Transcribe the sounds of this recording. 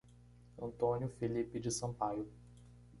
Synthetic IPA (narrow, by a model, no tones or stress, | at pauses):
ɐ̰̃nt̪õnjʊfelipɪd͡ʒɪsɐ̃pajʊ